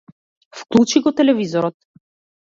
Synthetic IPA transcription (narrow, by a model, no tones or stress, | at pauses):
fklˠut͡ʃiɡɔt̪ɛlɛvizɔɾɔt̪̚